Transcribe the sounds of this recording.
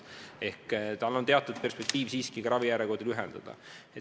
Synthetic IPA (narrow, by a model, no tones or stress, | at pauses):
e̞hkt̪ɑlːo̞nt̪e̞ɑt̪ːˑud̪̥̚pe̞rspe̞k̚t̪iːvsiːskikɑɾɑvijæɾeko̞d̪̥ilyɦend̪̥ɑ̰d̪̥ɑ̰ | e